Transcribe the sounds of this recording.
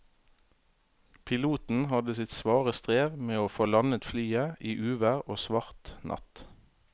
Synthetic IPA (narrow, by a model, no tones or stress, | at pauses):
pʰɪluːt̪n̩hɑd̪əsɪt̪sʋɑːʁəst̪ʁeːʋmeːoːfoːlɑnət̪flyːəʔiːʔʉːʋæʁoːsʋɑʁt̪nʔɑ̰t̪